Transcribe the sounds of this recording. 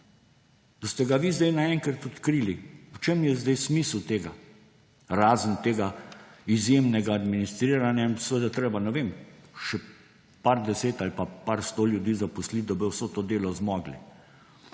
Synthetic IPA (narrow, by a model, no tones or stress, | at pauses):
d̪̥ast̪ɛɡaʋiːzd̪ɛjnaɛŋkɾat̪ɔt̪kɾiːliut͡ʃemjɛzd̪ɛjsmiːslt̪eːɡa | ɾaːzənt̪eːɡaizjeːmnɛɡaːd̪minist̪ɾiːɾanjainsʋed̪at̪ɾeːbanɛʋeːmʃɛ | paɾd̪ɛseːt̪alipapaɾst̪oljud̪iːzapuslit̪d̪abiwsɔt̪oːd̪eːlɔzmɔːɡlḭ